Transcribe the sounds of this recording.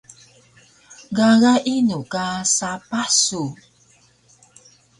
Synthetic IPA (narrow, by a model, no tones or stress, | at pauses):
ɡaɣaʔinukasapasu